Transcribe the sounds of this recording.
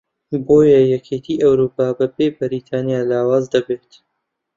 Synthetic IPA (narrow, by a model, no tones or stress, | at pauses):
boːjɐjɛkʰeːt̪ʰiːʔɐwɾuːpaːbɐbeːbɨɾiːt̪ʰaːnjaːlaːwaːzd̪ɐbeːt̪